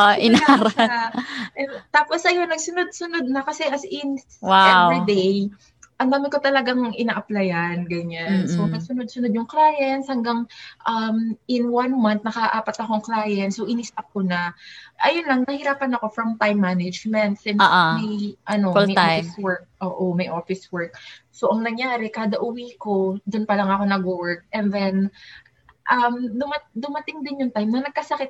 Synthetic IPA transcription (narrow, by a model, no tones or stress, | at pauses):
ʔaʔɪnaɾa | ɛt̪aːposʔɐjo̞nːɐɡsʊnod̪̚sʊnod̪̚nɐkɐsɛʔɐsɪn | waɛwɪd̪ej | ʔɐnd̪aːmɪnkot̪ɐlɐɡaŋʔɪnaːʔɐplɐjanɡɐɲansoɐɡ̚sʊnod̪̚sʊnod̪̚jʊŋklaːjɐnt̪shɐŋɡaŋʔɐmʔɪnwɐnmɐnt̪̚nɐkɐhɐʔaːpɐt̪ɐko̞ʔɐŋklaːjɐnt̪sowʔɪnɪst̪ɐk̚konɐʔɐjonlɐŋnɐhɪɾaːpɐnɐko̞fɾɐmt̪ajmːanɛd͡ʒmɛnt̪̚sɪnʔmɐjʔɐno̞mɐjfswɛɹk̚ʔoːʔomɐjʔoːfɪswɛɹk̚soʔɐŋnɐŋjaːɾɛkaːd̪ɐʔʊwiːko̞d̪ʊnpɐlɐŋɐko̞nɐɡʊwɛɹk̚ɛnðɛn | ʔɐmd̪ʊmɐd̪ʊmɐt̪ɪŋd̪ɪnjʊŋt̪ajmnɐnɐɡ̚kɐsɐkɪt̪̚